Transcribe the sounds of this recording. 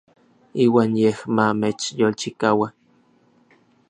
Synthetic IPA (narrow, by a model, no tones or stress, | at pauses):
iːwaːnjehmamet͡ʃjolt͡ʃikawa